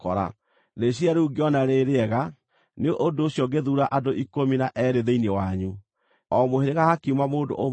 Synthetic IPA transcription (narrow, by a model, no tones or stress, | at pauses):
kɔɾa̰ | ðeɕiaɾeuɡeɔnaɾeɾeɛɣa | neoʔondooɕjɔɡeðuɾaʔadoikominaʔɛɾeðeinewaɲu | ɔmoheɾeɣahakimamoːndo̰ʔo